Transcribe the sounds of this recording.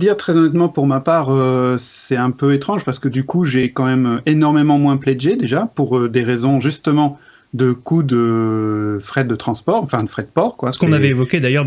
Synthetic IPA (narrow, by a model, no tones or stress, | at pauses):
d̪iʁt̪χɛzɔnɛt̪mɑ̃puʁmapaːʁøsɛt̪ɛ̃pøet̪χɑ̃ʒpaʁsə̥kəd̪ykuʒekɑ̃mɛmøenɔʁmemɑ̃mwɛ̃plɛʒed̪eʒapuʁød̪eʁezɔ̃ʒyst̪əmɑ̃ | d̪əkud̪ə | fχɛt̪̚d̪ət̪χɑ̃spɔʁɑ̃fɛ̃d̪əfχɛt̪pɔʁkwasəɔ̃navɛevɔkʲed̪ajœʁ